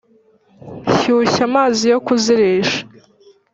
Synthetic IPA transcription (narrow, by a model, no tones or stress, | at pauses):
çuːçamaːzijo̞kuziɾeːʃḁ